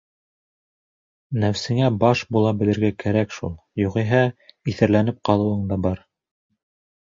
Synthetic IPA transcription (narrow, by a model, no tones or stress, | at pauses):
næwsɘ̆ŋæbɑʃbulˠɑbɘ̆lɘ̆ɾɡækæɾækʃṵlˠjuʁiɦæiθɘ̆ɾlænɘp̚qɑlˠɤ̆wɤɴd̪ɑbɑɾ